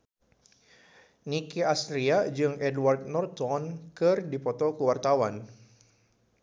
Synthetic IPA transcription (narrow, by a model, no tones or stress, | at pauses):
nikiast̪ɾiad͡ʒɨŋɛdward̪̚nɔrt̪ɔnkɨrdipɔt̪ɔkuwart̪awan